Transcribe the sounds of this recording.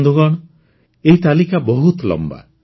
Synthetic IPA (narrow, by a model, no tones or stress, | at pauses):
d̪uɡɔɽ̃ɔ | eɦit̪alikabɔɦut̪lɔ̰mba̰